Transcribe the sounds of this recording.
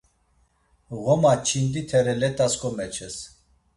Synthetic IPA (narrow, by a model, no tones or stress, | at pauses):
ɣɔmat͡ʃʰind̪it̪ʰɛɾɛlɛt̪ʼaskʼɔmɛt͡ʃʰɛs